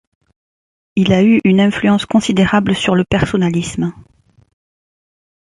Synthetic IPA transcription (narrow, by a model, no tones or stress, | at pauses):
ilayʔynɛ̃flyɑ̃skɔ̃sid̪eʁablsyʁləpɛʁsɔnalism